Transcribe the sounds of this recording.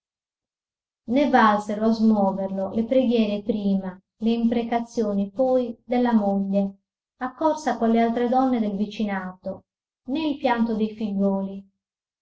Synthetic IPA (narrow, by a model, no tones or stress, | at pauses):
nevalseɾoazmwɔːverlolepɾeɡjɛːɾepɾiːma | leimpɾekat̪sːjoːnipɔjd̪elːamoʎːe | akːɔrsakolːealt̪ɾed̪ɔnːed̪elvit͡ʃinaːt̪o | nɛilpjant̪od̪ejfiʎːwɔːli